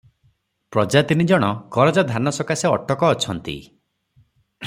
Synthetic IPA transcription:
pɾɔd͡ʒat̪inid͡ʒɔɽ̃ɔkɔɾɔd͡ʒad̪ʱanɔsɔkaseɔʈɔkɔːt͡ʃʰɔnt̪ḭ

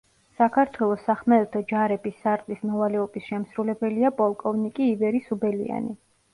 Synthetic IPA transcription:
sakʰaɾt̪ʰwɛlˠɔsaχmɛɛt̪ʰɔd͡ʒaɾɛbisːaɾt̪ʼlismɔvalɛɔbisʃɛmsɾulɛbɛliapʼɔlˠkʼɔvnikʼiːvɛɾisubɛlḭa̰ni

